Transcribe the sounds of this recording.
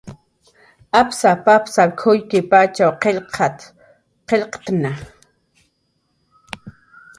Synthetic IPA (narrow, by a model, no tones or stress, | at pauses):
apsapapsakʰʊjkɪpat͡ʃawqeʎqʰɑt̪ | qeʎqt̪na